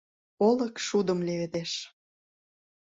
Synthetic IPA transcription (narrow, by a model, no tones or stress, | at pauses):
olə̆kʃud̪ə̆mleβed̪eʃ